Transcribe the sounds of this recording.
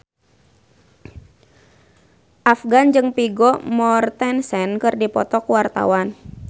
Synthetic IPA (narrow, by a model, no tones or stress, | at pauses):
ʔafɡand͡ʒɨŋpiɡɔmɔrt̪ɛnsɛnkɨrdipɔ̰t̪ɔkuwart̪a̰wan